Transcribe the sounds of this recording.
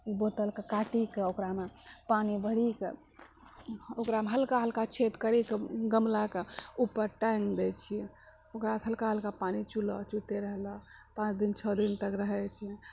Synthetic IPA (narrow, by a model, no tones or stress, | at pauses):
ibot̪əlkekaʈikeokɾamepanibʱəɽike | okɾameɦəlkaɦəlkat͡ʃʰet̪kəɾikeɡəmlakeupːəɾʈaŋkd̪et͡ʃʰiɛ | okɾaɦəlkaɦəlkapanit͡ʃulɔ̰t͡ʃut̪eɾəɦlɔpãt͡ʃd̪int͡ʃʰɔd̪int̪əkɾəɦɛt͡ʃʰɛɛ